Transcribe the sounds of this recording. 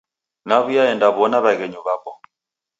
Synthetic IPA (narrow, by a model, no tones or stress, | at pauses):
naβujaɛndaβɔnaβaɣɛɲuβapɔ